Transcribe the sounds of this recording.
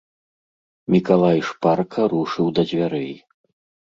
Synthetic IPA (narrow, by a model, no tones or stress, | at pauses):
mʲikalˠajʂparkʰɐɾuʂɨwd̪ɐd͡zʲvʲaɾɛj